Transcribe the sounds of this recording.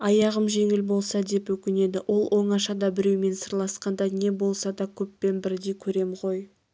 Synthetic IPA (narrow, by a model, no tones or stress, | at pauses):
ɑjɑʁəmʒe̞ŋɪlbo̞lˠsɑd̪e̞pwɵkʲɪne̞d̪ɪʔo̞lˠwʔo̞ɴɑʃɑd̪ɑbɪɾewme̞nsəɾlˠɑsqɑnd̪ɑne̞bo̞lˠsɑd̪ɑkʲʰɵpːe̞nbɪɾd̪e̞jkʲʰɵɾe̞mʁo̞j